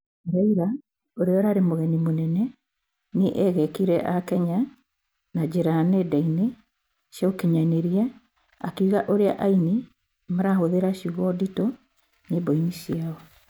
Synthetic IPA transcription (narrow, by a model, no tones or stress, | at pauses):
ɾaiɾa | oɾeɔɾaɾemoɣɛnimonɛnɛ | neʔɛɣɛkiɾɛʔakɛɲa | nad͡ʑeɾanedaine | sjaokiɲaneɾia | akiuɣaʔoɾea̰ʔaini | maɾahoðeɾaʃiuɣɔdito | neboinisiaɔ